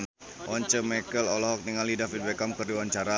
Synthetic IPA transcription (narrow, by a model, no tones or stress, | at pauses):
n | wʔɔɲt͡ʃəmakəlɔlɔɦɔk̚niŋalidafit̪̚wɛkamkərdiwaɲt͡ʃaɾa